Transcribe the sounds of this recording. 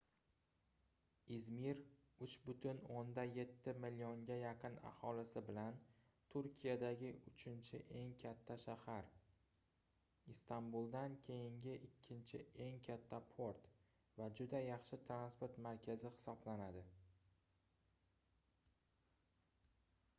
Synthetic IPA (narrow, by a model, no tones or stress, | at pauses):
izmiɾ | ʊt͡ʃbʊt̪ʰʊnond̪aje̞t̪ʰːɪmɪlːioŋɡʲajaqʰɨna̰hɒlɪsɪbɪlan | t̪ʰʊɾkʲʰijad̪aɡʲɪʔʊt͡ʃʰɪnt͡ʃʰɪ̰ʔe̞ŋkʲʰat̪ʰːaʃahaɾ | ɪst̪ambulˠd̪ankʲʰe̞jɪŋɡʲɪʔɪkʲʰːɪnt͡ʃʰɪ̰e̞ŋkʲʰat̪ʰːapʰoɾt̪ | vad͡ʒʊd̪ajɑχʃɪt̪ʰɾanspoɾt̪maɾkʲʰazɪhɪ̥sɒblanad̪ɪ